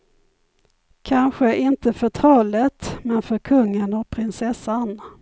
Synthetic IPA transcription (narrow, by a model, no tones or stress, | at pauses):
kʰanɧəʔɪnt̪əfœʈʰɑːlət̪mɛnfœɾkʰɵŋːənɔk̚pʰɾɪnsɛsːan